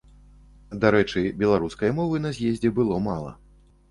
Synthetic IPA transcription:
d̪aɾɛt͡ʂɨbʲɛlˠaɾuskɐjɐmɔvɨnɐzʲjezʲd͡zʲɛbɨlˠɔmalˠɐ̰

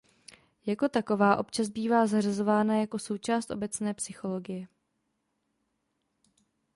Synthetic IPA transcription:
jako̞t̪ako̞vaːʔo̞pt͡ʃazbiːvaːzarazo̞vaːnajako̞so̞wt͡ʃaːst̪ʔo̞bɛt͡snɛːpsɪxo̞lo̞ɡɪjɛ

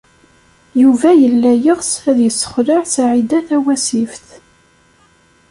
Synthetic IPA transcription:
juvæjəlːæjəʁsæðjəsːə̥χɾəʕsaʕid̪æθæwæsifθ

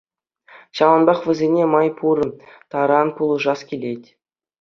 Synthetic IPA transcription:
ɕɑlɤ̆nbɑχʋʲɘ̆zʲenʲemɑjpʰuɾɤ̆t̪ɑɾɑnpulˠɤ̆ʐɑskʲilʲetʲ

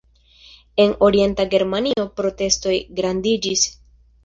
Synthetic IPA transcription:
e̞no̞ɾije̞ntaɡe̞ɾmanio̞pɾo̞te̞sto̞jɡɾandid͡ʒis

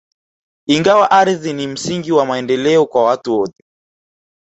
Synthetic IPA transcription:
iŋɡawaʔaɾðinim̩siŋɡiwamaɛndɛlɛɔkwawatuɔtɛ̥

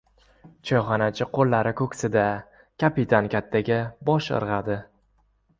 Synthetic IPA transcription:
t͡ʃʰɒjχɑnat͡ʃʰɪqʰolːaɾɪkʰɵkʲsɪd̪a | kʲʰapɪt̪ʰankʲʰat̪ʰːaɡʲabɒʃɨ̰ɾʁɑd̪ɪ

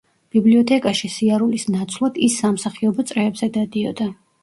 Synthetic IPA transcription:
b̥ibliɔt̪ʰɛkʼaʃisiaɾulisnat̪sʰlˠad̪̥isːamsaχiɔbɔt̪sʼɾɛːbzɛd̪ad̪iɔ̰d̪a

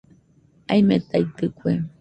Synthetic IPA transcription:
ajmet̪ait̪ɨkʷe

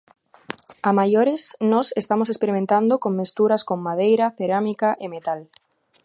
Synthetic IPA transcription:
amajoɾesnosest̪amosespeɾimẽnt̪and̪okomːest̪uɾaskomːað̞ejɾaθeɾamikaʔemet̪al

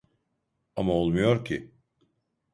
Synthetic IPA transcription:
amaolˠmujo̞ɾcʰḭ

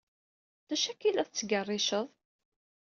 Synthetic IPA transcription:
t̪æʃækːilæðt͡sːɡərˤːɪʃəðˤ

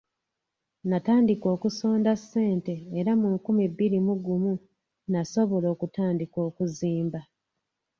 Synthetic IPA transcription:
nataːndiko̞ːkuso̞ːndasːe̞ːnte̞ːɾamuŋkumibːiɾimuɡumu | naso̞βo̞lo̞ːkutaːndiko̞ːkuziːmba

